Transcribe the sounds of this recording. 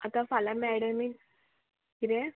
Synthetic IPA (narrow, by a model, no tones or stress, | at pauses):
at̪afalamɛɽəmi | iɾe